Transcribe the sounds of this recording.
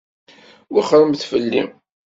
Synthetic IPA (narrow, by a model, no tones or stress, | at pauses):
wiχɾˤəmθfəlːḭm